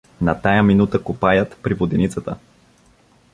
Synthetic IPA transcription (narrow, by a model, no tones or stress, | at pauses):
nɐt̪ajəminut̪əkʊpajət̪pɾivod̪init̪sət̪ə̰